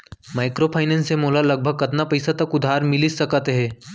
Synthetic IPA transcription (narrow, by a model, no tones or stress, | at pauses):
maːɪkɾopʰaːɪnẽnsemoːlalɐɡ̚bʱəɡ̚kɐt̪napɐjsat̪ɐkʊd̪ʱaːɾmɪlisɐkət̪ɦɛ̃ː